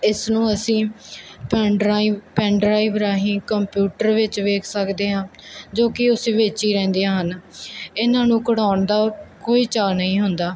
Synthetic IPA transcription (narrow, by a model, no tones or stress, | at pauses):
ɪsnũːəsĩːpː | pɛ̃ːɳɖɾaːiʋɾaːɦĩːkəmpjuːʈəɾʋɪt͡ʃʋeːkʰsəkd̪eːɦãːd͡ʒoːkɪʊseʋeːt͡ʃiːɾɛ̃ːnd̪ejãːɦənɪnãːnũːkəɽaːʊɳd̪aːkoːiːt͡ʃaːnəɦĩːɦʊnd̪aː